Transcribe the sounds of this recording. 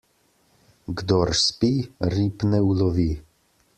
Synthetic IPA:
ɡd̪ɔɾspiɾipnɛulɔvi

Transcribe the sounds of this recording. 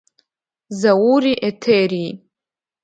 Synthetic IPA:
zawuɾiʔetʰeri

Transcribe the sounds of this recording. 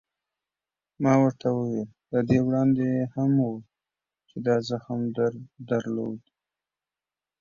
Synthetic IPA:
mɑwəɾt̪ʰawəwel | ləd̪ewɽɑnd̪ejehamwu | t͡ʃed̪ɑzaxmd̪d̪aɾlo̰d̪

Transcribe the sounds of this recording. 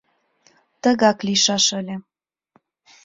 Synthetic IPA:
t̪ə̆ɣɑkliʃɑʃəlʲĕ

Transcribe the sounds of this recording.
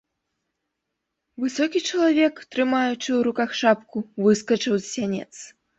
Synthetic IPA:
vɨsɔkʲit͡ʂɐlˠavʲɛkt̪ɾɨmajut͡ʂɨwɾukaxʂapkuvɨskɐt͡ʂɨwzsʲanʲɛ̰t̪s

